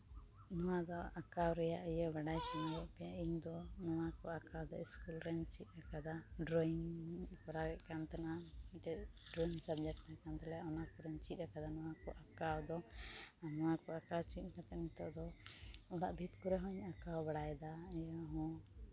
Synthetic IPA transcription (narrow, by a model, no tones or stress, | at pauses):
nɔwad̪ɔakawɾɛjaʔɛjɔbaɽajsamaɾɛʔpɛjaʔiɲd̪ɔnɔwakɔakawd̪ɔ̰iskulɾɛɲt͡ʃit̪̚ˀɾakad̪aɖɾɔiŋkɔɾaɡɛʔkant̪anaiʈɛɖɾɔiŋsabd͡ʒɛk̚ʈnakant̪ɛlɛjaʔɔnakɔɾɛɲt͡ʃit̪̚ˀɾakad̪anɔwakɔʔakawd̪ɔanɔwakɔakawt͡ʃit̪̚ˀkat̪ɛmit̪ɔ̰ʔd̪ɔɔɽa̰ʔbʱit̪kɔɾɛɦɔ̃iɲakawbaɽajd̪aɛjɔɦɔ̃